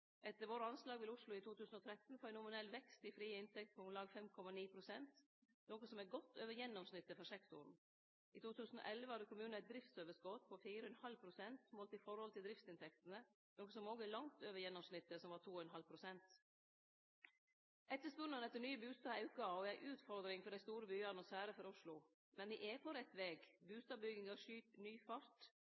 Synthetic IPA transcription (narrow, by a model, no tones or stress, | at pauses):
ʔɛt̪ːəɾʋoːɾəɑnslɑːɡʋɪlʊʂlʊɪt̪ʰuːt̪ʰʉːsn̩ɔt̪ʰɾɛt̪n̩fɔɾænʊmɪnɛlʋɛkst̪ɪfɾiːəɪnt̪ʰɛkt̪̚pʰɔmlɑːɡfɛmkʰɔmɑniːpʰɾʊsɛnt̪ | noːkəsɔmæɡɔt̪ːøːʋəjɛnːɔmsnɪt̪ːəfɔʂɛkt̪ʊ̰ɾn̩ | ʔɪt̪uːt̪ʰʉːsn̩ɔ̰ʔɛlʋəhɑd̪əkʰʊmʉːnæɪt̪̚d̪ɾɪft̪søːʋəskot̪pʰɔfiːɾəɛnhɑlpʰɾʊsɛnt̪moːlt̪ɪfɔɾhɔlt̪ʰɪld̪ɾɪft̪sɪnt̪ʰɛkt̪ənə | noːksɔmoːɡəlɑŋt̪øːʋəɾjɛnːɔmsnɪt̪ːəsɔmʋɑːʈ̪ʰuːɛnɦɑlpʰɾʊsɛnt̪ | ʔɛt̪ːəʂpʉnənɛt̪ːəɳnyːəbʉːst̪ɑːɑʉkəɔæɪʔʉːt̪fɔɾd̪ɾɪŋfɔɖæɪst̪uːɾəbyːəɑnɔsæːɾəfɔɾʊʂlʊ | mɛnʋɪʔɛpʰɔɾɛt̪ːʋeːɡbʉːst̪ɑːbʏɡɪŋɑʂyːt̪nyːfɑɾt̪